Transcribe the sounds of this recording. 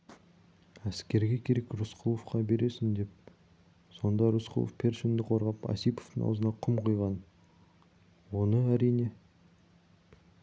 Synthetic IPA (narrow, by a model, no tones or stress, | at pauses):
æskʲe̞ɾɡʲe̞kʲʰe̞ɾe̞krʊsqʰulˠofqɑbe̞ɾe̞sɪnd̪e̞p̚ | so̞nd̪ɑɾusqʰṵlˠo̰fpʰe̞ɾʃɪmd̪ɪqʰo̞ɾʁɑpɑ̰sijpo̥ft̪əŋɑ̰wzənɑqʰʊmqʰojʁɑn | wo̞nəæɾijne̞